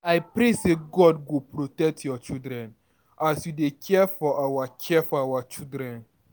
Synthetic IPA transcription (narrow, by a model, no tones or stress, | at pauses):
aɪpɾeseɡɔdɡopɹotɛk̚tʰjɔt͡ʃildɹɛ̃n | asjudekʰɛfɔʔawakʰɛfɔawat͡ʃildɹɛ̃n